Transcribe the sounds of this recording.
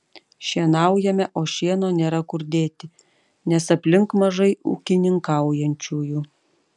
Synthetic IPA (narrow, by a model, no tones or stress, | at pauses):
ʃʲiɛnɑˑʊjɛmʲɛʔoːʃʲiɛnoːnʲeːɾɐkʊɾʲd̪ʲeːt̪ʲɪ | nʲɛsɐpʲlʲɪŋkmɐʒɐɪṵːkʲɪnʲɪŋkɑˑʊjɛnʲt͡ʃʲuːjuː